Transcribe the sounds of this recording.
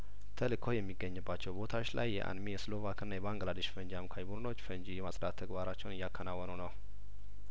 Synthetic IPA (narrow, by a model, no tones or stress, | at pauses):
t̪ʰəlɨkʰo̞jɛmːiɡːəɲːɨbːat͡ʃːɛwbo̞t̪ʰat͡ʃːla̰jːɛ̰ʔa̰nmijɛslo̞vakɨnːajɛβaŋɡlad̪əʃfənd͡ʒamkʰajbud̪ɨno̞t͡ʃːfənd͡ʒijɛmasʼd̪at̪ʰːəɡbaɾat͡ʃːɛwnɨjːakʰːənawːənəwnəw